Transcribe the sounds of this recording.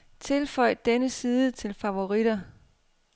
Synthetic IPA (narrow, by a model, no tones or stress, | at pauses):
t͡sʰe̝lfɒ̽ɪ̰d̥enəsiːðˠət͡sʰe̝lfæo̝ʁid̥ɐ